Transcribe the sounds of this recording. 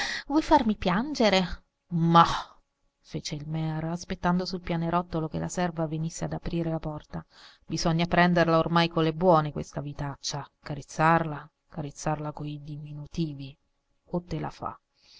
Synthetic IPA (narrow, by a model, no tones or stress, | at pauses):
vɔjfarmipjand͡ʒeɾe | ma | feːt͡ʃeilmɛːɾoaspet̪ːand̪osulpjaːneɾɔt̪ːolokelːʔasɛrvavenisːead̪apɾiːɾelapɔrt̪a | bizɔɲːapɾɛnd̪erlaormajkolːebwɔːnekwḛst̪avit̪at͡ʃːakaɾet̪sːarla | kaɾet̪sːarlakoid̪iminut̪iːvi | ot̪ːela̰fa̰